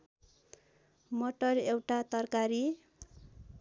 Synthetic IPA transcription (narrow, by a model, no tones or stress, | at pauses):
moʈʌrewʈat̪ʌrkaɾi